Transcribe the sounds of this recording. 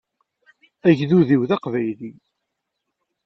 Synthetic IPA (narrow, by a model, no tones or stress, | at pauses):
æʝðuðiwðɑqvæjli